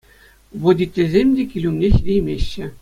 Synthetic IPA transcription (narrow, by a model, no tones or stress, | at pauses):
ʋodʲit̪ʲːĕzʲemʲdʲekʲilʲumʲnʲexʲlʲijmʲeɕːɘ̆